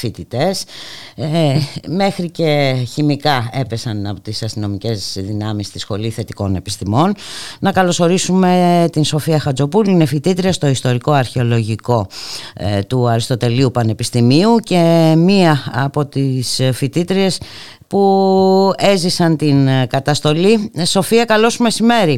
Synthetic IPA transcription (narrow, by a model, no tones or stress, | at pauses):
fit̪it̪e̞s | me̞xɾice̞çimikɐe̞pe̞sɐnɐpot̪isɐst̪ino̞mice̞zðinɐmist̪isxo̞liθe̞t̪iko̞ne̞pi̥st̪imo̞nnɐkɐlo̞so̞ɾisume̞t̪inso̞fiɐxɐd͡zo̞puluine̞fit̪it̪ɾiɐst̪o̞ist̪o̞ɾiko̞ɐɾçeo̞lo̞ʝiko̞ | t̪uɐɾist̪o̞t̪e̞liupɐne̞pist̪imiuce̞miɐːpo̞t̪isfit̪it̪ɾie̞s | pu | e̞zisɐnt̪inkɐt̪ɐst̪o̞liso̞fiɐkɐlo̞sme̞sime̞ɾi